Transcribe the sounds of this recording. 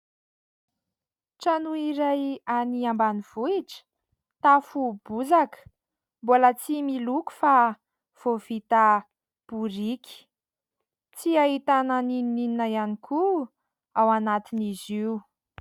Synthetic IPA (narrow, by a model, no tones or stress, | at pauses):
ʈ͡ʂanuiɾajaniambaniv̥uiʈ͡ʂə̥ | t̪afub̥uzakə̥ | bolat͡similuku̥fa | v̥ov̥it̪a | b̥uɾikʲi̥ | t͡siaɦit̪ananininininajanikʰu | awanat̪iniziu